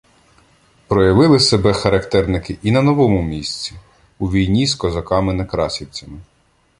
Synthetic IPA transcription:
pɾɔjɐʋɪlˠɪsebɛxɐɾɐkt̪ɛrnɪkɪʔinɐnɔʋɔmʊmʲisʲt͡sʲi | uʋʲijnʲiskɔzɐkɑmɪnɐkɾɑsʲiwt͡sʲɐmɪ

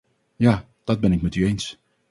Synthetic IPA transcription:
ja | d̥ɔt̚bɛnɪkmɛtyens

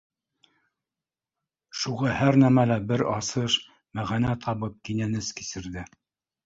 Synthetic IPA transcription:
ʃuʁɑhæɾnæmælæbɘɾɑsɤʃ | mæʁænæt̪ʰɑβɤp̚kinænɘski̥sɘ̆ɾðɘ

